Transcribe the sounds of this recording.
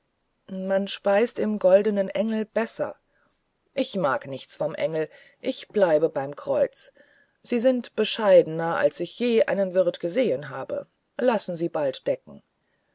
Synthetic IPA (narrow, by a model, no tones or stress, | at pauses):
manʃpaɪstɪmɡɔldənənʔɛŋl̩b̥ɛsɐ̰ | ʔɪçmaːknɪçt͡sfɔmʔɛŋl̩ | ʔɪçb̥laɪbəbaɪmkʁ̥ɔʏt͡s | z̥iːzɪntb̥əʃaɪdənɐʔa̰lsɪçjeːʔa̰ɪnənvɪɐtɡ̥əzeːənɦaːbə̰ | lasn̩ziːbaltd̥ɛk̚ŋ̩